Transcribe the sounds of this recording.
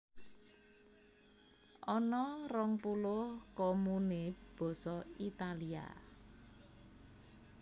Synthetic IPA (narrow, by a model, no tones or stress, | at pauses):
ʔɔnɔrɔŋpulʊhkɔmuneb̥ɔ̤sɔit̪alia̰